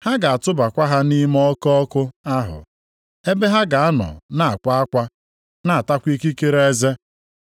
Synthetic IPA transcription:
ha˦ɡa˨a˨tʊ˦ba˨kʷa˦ɦa˦ni˦m˦ɔ˦kɔ˦kʊ˦a˦ɦʊ̰˨ | e˦be˦ɦa˦ɡa˨a˦nɔ̰˨na˦˨a˨kʷa˦a˦kʷa˦ | na˦˨a˨ta˦kʷi˦ki˦ke˦ɾee˦ze˦

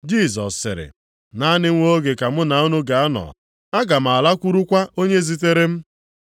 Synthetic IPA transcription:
d͡ʒi˦˨zɔ̰˨sːɪ̰˨ɾɪ̰˨ | na˦nɪ˦ŋʷo˦ɡe˨ka˨mʊ˦na˨o˦nu˦ɡa˨a˦nɔ̰˨ | a˦ɡa˨m̩˨a˨la˦kʷu˦ɾu˦kʷa˦ʔo˦ɲe˦zi˦t̬e˦ɾe˦m̩˦

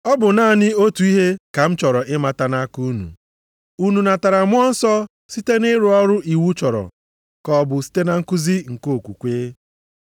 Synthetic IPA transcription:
ɔ˦bʊ˨naː˦˨nɪ˦o˦tu˨i˦ɦe˦ka˨m̩˦t͡ʃɔ˨ɾɔ˨ʔɪ˦ma˨ta˨na˦ku˦nṵ˨ | u˦nu˨na˨ta˨ɾa˨mʊ˦ɔ˦n̩˦sɔ˦ | si˦te˦nɪ˦ɾʊ˨ɔ˦ɾʊ˦ʔi˨wu˦t͡ʃɔ˨ɾɔ̰˨ | kɔ˨bʊ˨si̥˦te˦na˨ŋ̩˦kʊ˦zi˦ŋ̩˨ko˦˨kʷu˨kʷeː˦

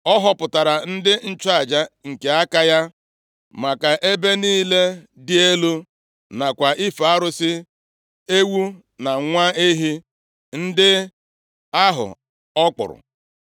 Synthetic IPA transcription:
ɔ˦ɦɔ˦pʊ˨ta˨ɾa˨n̩˦dɪ˦n̩˦t͡ʃa˦˨d͡ʒa˦ŋ̩˨ke˨a˦ka˦ja˦ | ma˨ka˨ʔe˦be˦niː˦le˦ | dɪ˦e˦lu˦ | na˨kʷa˨ʔi˦fa˦ɾʊ˦sɪ˦ | e˦wu˦ | na˨ŋʷa˦e˦ɦi˦ | n̩˦dɪ˦ | a˦ɦʊ̰˨ | ɔ˦k͡pʊ̰˨ɾʊ̰˨

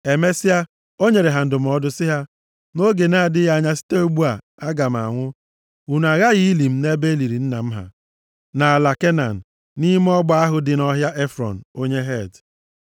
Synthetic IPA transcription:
e˨me˦si˦a˦ | o˦ɲe˨ɾe˨ɦa˨n̩˨dʊ˨m̩˨ɔ˦dʊ˦sɪ˦ɦa˦ | no˦ɡe˨na˦a˨dɪ˦ɣa˦ɲa˦si̥˦te˦o˦ɡ͡bu˦a˨ | a˦ɡa˨m̩˨a̰˨ŋʷʊ˦ | u˨n˨a˨ɣa˦ɣi˦i˦li˨m̩˦ne˦be˦li˨ɾi˨n̩˦na˨m̩˦ɦa̰˨ | na˨a˨la˨ke˦na̰˨n̩˨ | ni˦m˦ɔ˦ɡ͡ba˦a˦ɦʊ˦dɪ˨nɔ˦ɦja˦ʔe˦fɾɔ̰˨n̩˨o˦ɲe˦ɦe˦˨d

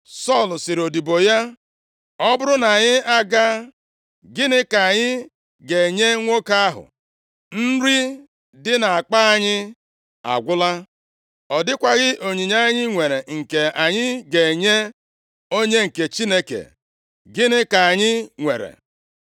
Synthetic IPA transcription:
sɔ˦˨lsɪ˨ɾo˨di˨bo˨ja˦ | ɔ˦bʊ˦ɾʊ˦na˨ɲɪ˦a˦ɡa˦ | ɡɪ˦nɪ˦ka˨a˨ɲɪ˦ | ɡe˨ɲe˦ŋʷo˦ka˦a˦ɦʊ̰˨ | n̩˦ɾi˦ | dɪ˦na˨a˨k͡pa˦a˦ɲɪ˦ | a̰˨ɡʷʊ˦la˦ | ɔ˨dɪ˦kʷa˦ɣɪ˦ʔo˨ɲi˨ɲa˦ɲɪ˦ŋʷe˨ɾe˨ŋ̩˨ke˨a˨ɲɪ˦ɡe˨ɲe˦ | o˦ɲe˦ŋ̩˨ke˨t͡ʃi˦ne˦kḛ˨ | ɡɪ˦nɪ˦ka˨a˨ɲɪ˦ŋʷe˨ɾḛ˨

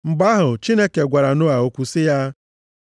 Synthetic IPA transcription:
m̩˨ɡ͡ba˦ɦʊ˨t͡ʃi˦ne˦ke˨ɡʷa˨ɾa˨nʊ˦a˨o˨kʷu˨sɪ˦ja˦

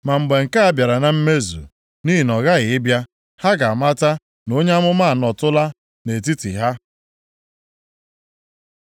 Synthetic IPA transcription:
ma˨ŋ͡m̩˨ɡ͡be˨ŋ̩˨ka˦a˦bja˨ɾa˨na˨m̩˦me˦zṵ˨ | ni˦i˨nɔ˨ɣa˦ɣɪ˨ɪ˦bja˦ | ha˦ɡa˨ma˦ta˦ | no˦ɲe˦a˦mʊ˦ma˦a˨nɔ˨tʊ˦la˦ | ne˨t̬i˦tḭ˨ɦa˦

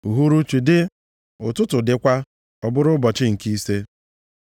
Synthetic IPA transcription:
u˨ɦu˦ɾu˦t͡ʃu˨dɪ˦ | ʊ˨tʊ˦tʊ˨dɪ˨kʷa˦ | ɔ˨bʊ˦ɾʊ˦bɔ˨t͡ʃɪ˦ŋ̩˨ki˦se˦

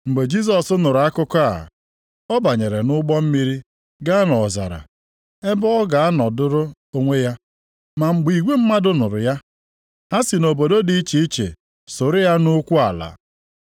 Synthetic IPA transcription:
ŋ͡m̩˨ɡ͡be˨d͡ʒi˦s̬ɔ˨sʊ˦nʊ˨ɾʊ˨a˦kʊ˦kɔ˦a̰˨ | ɔ˦ba˨ɲe˨ɾe˨nʊ˦ɡ͡bɔ˦m̩˦mi˦ɾi˦ | ɡa˦a˦nɔ˨za̰˨ɾa̰˨ | e˦bʊ˦ɔ˦ɡa˨a˦nɔ˨dʊ˦ɾʊ˦ | o˦ŋʷe˦ja˦ | ma˨ŋ͡m̩˨ɡ͡bi˨ɡʷe˦m̩˦ma˦dʊ˦nʊ˨ɾʊ̰˨ja˦ | ha˦si˨no˨bo˨do˦di˨i˦t͡ʃi˨i˦t͡ʃḛ˨ | so˨ɾʊ˦ja˦nʊ˦kʷu˦a˨la̰˨

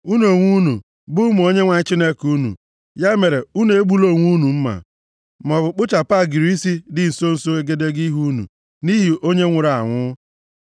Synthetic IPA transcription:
u˦no˨ŋʷu˦nu˨ | bʊ˦m˨o˦ɲe˦ŋʷa˨ɲ˦t͡ʃi˦ne˦ku˦nṵ˨ | ja˦me˨ɾe˨u˦n˨e˦ɡ͡bu˦lo˦˨ŋʷu˦nu˨m̩˦ma̰˨ | m˨ɔ˨bʊ˨k͡pʊ˦t͡ʃa˨pa˦˨ɡi˨ɾi˦si˦dɪ˦n̩˨so˦n̩˨so˦e˦ɡe˦de˦ɡi˦ɦu˦nṵ˨ | ni˦ɦi˨ʔo˦ɲe˦ŋʷe˨ɾa˨ŋʷʊ˦

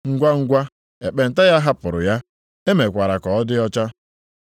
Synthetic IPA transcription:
ŋ̩˦ɡʷa˦ŋ̩˦ɡʷa˦ | e˨k͡pe˨n̩˨ta˦ja˦ɦa˦pʊ˨ɾʊ̰˨ja˦ | e˦me˨kʷa˨ɾa˨kɔ˨ɔ˦dɪ˦ɔ˦t͡ʃa˦

